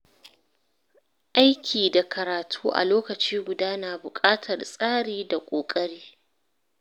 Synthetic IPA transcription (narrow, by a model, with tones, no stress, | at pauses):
ʔa˦jkʲʰiː˨da˨kʰɐ˨ɾaː˨tʰuː˦ʔa̰˨loː˦kɐ˨t͡ʃiː˦ɡʷʊ˨daː˦naː˨bʊ˨kʼaː˦tʰɐ˨rsʼaː˦ɽiː˨da˨kʷʼoː˨kʼɐ˦ɽiː˦